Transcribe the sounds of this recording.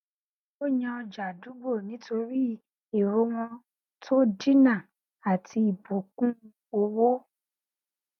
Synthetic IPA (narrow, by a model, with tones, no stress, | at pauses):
o˦ɲã˧ɔ˧d͡ʒa˨du˨˦ɡ͡bo˦˨nĩ˨˦tʰo˧ɾi˦ | e˨ɾo˧˦w̃ɔ̃˧ | tʰo˦di˦nã˦˨ | a˨tʰi˧i˨bo˨kũ˦ | o˧wo˦